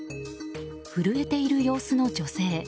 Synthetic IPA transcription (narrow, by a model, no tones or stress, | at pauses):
ɸɯɾɯ̟e̞t̪e̞iɾɯ̟jo̞ːsɨno̞d͡ʑo̞se̞ː